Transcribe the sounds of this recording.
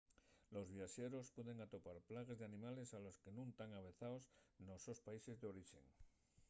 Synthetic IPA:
lo̞zβiaʃeɾo̞spweðe̞ŋat̪o̞paɾplaɣ̞ezðeanĩmale̞salo̞ske̞nũnt̪aŋaβ̞e̞θaosnosospaise̞zðeo̞ɾiʃe̞̰ŋ

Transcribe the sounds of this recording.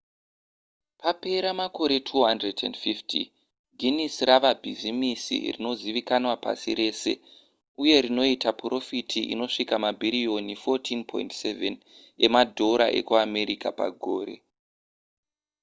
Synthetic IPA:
pape̞ɾamako̞ɾe̞tʰuɦandredendfiftʰḭ | ɡʱinisraʋabʱizimisḭrino̞ziʋikanwapa̰siɾe̞ːse̞̰ | uje̞ɾino̞itapro̞fitʰiʔḭno̞ʂikamabʱiɾijo̞nifotʰinpʰo̞̰intseven | emadʱo̞ɾa̰ʔe̞̰kuame̞ɾika̰pa̰ɡʱo̰ːɾe̞̰

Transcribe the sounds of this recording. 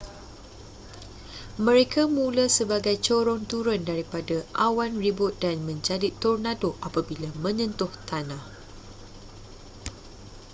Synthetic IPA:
mə̃ɾekʰamũlasəbaɡajt͡ʃoɾɔŋt̪uɾʊndaɾipadaʔawanribʊt̪̚danmə̃ɲd͡ʒadit̪ːɔrnadoʔapabilamə̃ɲə̃nt̪ʊht̪anãh

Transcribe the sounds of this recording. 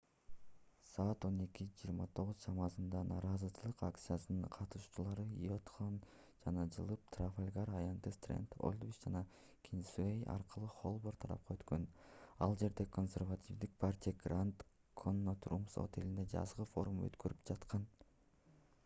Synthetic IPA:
sɑːt̪o̞ne̞kid͡ʒiːɾmɑt̪ʰo̞ʁuzt͡ʃʰɑmɑsɯnd̪ɑnɑːɾɑzɯt͡ʃʰɯlˠɯqakt̪sɨjasɯnɯɴqʰɑt̪uʃu̥t͡ʃulˠɑɾɯot̪χon | d͡ʒɑnɑd͡ʒɯlˠɯp̚t̪rafalʲɡaɾɑjant̪ɯst̪rʲe̞̰nt̪o̞̰lʲˠd̪vit͡ʃd͡ʒɑnɑ | kʲʰinsuejɑ̰ɾqɯlˠuχo̞lˠboɾt̪ʰɑɾɑ̰p̚qʰɑøt̪kø̞nɑlˠd͡ʒe̞ɾd̪ekʰo̞nsʲe̞ɾvatʲivd̪ik̚pʰartʲijaɡrant̪ | kʰo̞nːot̪rumso̰t̪e̞lind̪e̞d͡ʒɑ̰zʁɯfo̞̰ɾumø̰t̪køɾyp̚d͡ʒɑt̪qɑn

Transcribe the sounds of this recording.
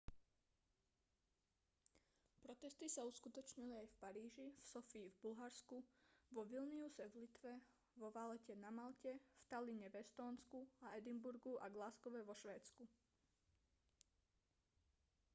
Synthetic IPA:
pɾɔt̪ɛst̪isauskut̪ɔt͡ʃɲiliajfpaɾiːʒifsɔfiːvbulɦaɾskuʋɔʋilniusɛvlit̪ʋɛ | ʋɔʋalɛcɛnamalcɛft̪aliɲɛʋɛst̪ɔːnskuaɛd̪imbuɾɡuʔaɡlaskɔʋɛʋɔʃʋɛːt͡sku

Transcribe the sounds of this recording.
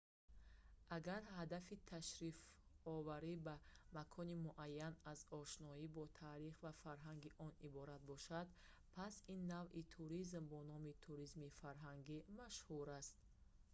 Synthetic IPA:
ʔaɡaɾhad̪afit̪ʰaʃɾifɔvaɾibamakʰɔnimuʔajːanazɔʃnɔibɔt̪ʰaːɾiχvafaɾɦaŋɡiʔɔnibɔɾat̪̚bɔʃad̪pʰasinːavʔit̪ʰuɾizmbɔnɔmit̪ʰuɾizmifaɾɦaŋɡimaʃhuɾast̪̚

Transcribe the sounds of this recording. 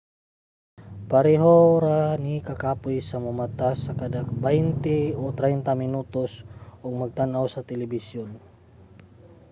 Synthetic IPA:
paɾiɦɔɾanikakapuisamumat̪asakadakbaint̪iut̪ɾaint̪aminut̪usuŋməɡ̚t̪anausat̪ɛlibisiun

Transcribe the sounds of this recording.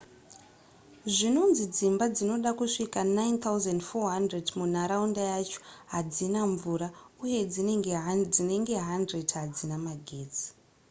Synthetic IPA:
ʐino̞nzid͡zimbad͡zino̞ɗakuʂikanajnt̪auzandfoɦandredmun̤aɾaundajat͡ʃo̥ɦad͡zinaɱvuɾauje̞d͡ziɡd͡zine̞ŋɡe̞ɦandredɦad͡zinamaɡʱeːd͡zi̥

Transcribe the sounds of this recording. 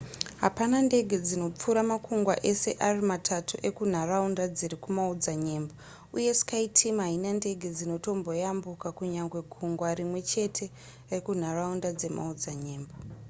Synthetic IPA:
ɦapanande̞ɡʱed͡zino̞p͡fuɾamakʰuŋɡwa̰ʔe̞se̞̰ʔarimatʰatuʔe̞kun̤araundad͡zirikumaud͡zaɲe̞ːmba | uje̞si̥kaitʰimɦainande̞ɡʱed͡zino̞to̞mbo̞jambukakuɲaŋɡwe̞kʰuŋɡwarimwe̞t͡ʃe̞tʰe̞ | rekun̤araundad͡ze̞mʔa̰ud͡zaɲe̞ːmba

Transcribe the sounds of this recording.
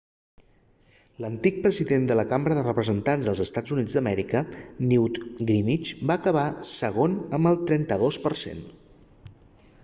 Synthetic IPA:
lənt̪ik̚pɾəziðend̪ələkambɾəðərəpɾəzənt̪anzðəlˠzəst̪ad͡zunid͡zd̪əmɛɾikəniwt̪ɡɾimit͡ʃbaːkəβ̞asəɣonəmbəlˠt̪ɾɛnt̪əðospərsḛn

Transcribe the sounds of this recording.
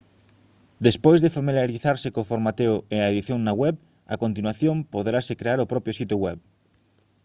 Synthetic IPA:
d̪espojzðefamiljaɾiθaɾsekofoɾmat̪eoeaeðiθjoŋnaɣwɛβ | a̰kont̪inwaθjõmpoðɾasekɾeaɾopɾɔpjosit̪joɣwɛβ

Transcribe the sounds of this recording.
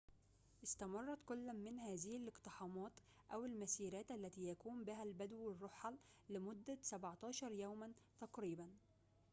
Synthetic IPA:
ʔɪst̪æmɑrˤːɑt̪kʊlːmɪnhæːzɪhɪlɪqt̪ɪħɑːmɑːt̪ | ʔæwɪlmæsiːɾæːt̪ʔælːæt̪iːjækuːmbɪɦælbæd̪wɪrˤːoħɑlːɪmʊd̪ːæsæbʕt̪ˤɑːʃɑɾˤjæːmænt̪ɑqɾiːbæn

